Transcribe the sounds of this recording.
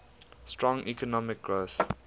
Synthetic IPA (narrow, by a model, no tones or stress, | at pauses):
stɹɔ̃ŋʔikʰɔnɔmɪk̚ɡ̥ɹoːθ